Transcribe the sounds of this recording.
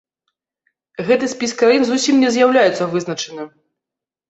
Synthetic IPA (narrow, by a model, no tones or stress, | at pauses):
ɣɛt̪ɨsʲpʲiskɾajinzusʲimnʲɛzʲjawlʲajɛt̪sːɐvɨznɐt͡ʂɨnɨ